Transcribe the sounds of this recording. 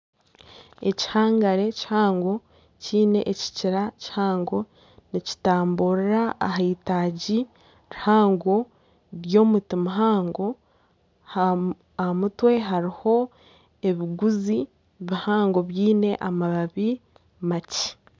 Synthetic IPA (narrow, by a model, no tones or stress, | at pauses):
e̞̰ci̥haːŋɡaɾe̞cihaːŋɡo̞ | ciːne̞ʔeci̥ciɾaci̥haːŋɡo̞ | nici̥taːmbuɾiɾaːɦaitaːɟi | ɾihaːŋɡo̞ | ɾjo̞ːmutimuɦaːŋɡo̞ | h | amutwe̞ɦaɾiho̞ | e̞βiɡuzi | βihaːŋɡo̞βjiːne̞ʔamaβaβi | maci̥